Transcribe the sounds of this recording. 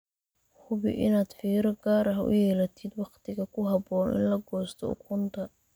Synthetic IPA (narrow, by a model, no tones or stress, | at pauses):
hʊβɪ̰ʔɪnaːd̪̥fiːɾɐɡaːɾɐɦɐʔʊ̰jɛːlɐt̪ʰɪd̪wɑqt̪ʰɪɣɐkʰʊɦɑbɔːnɪ̰nlɐɡɔːst̪ʰɔ̰ʊ̰kʰʊnt̪ʰɐ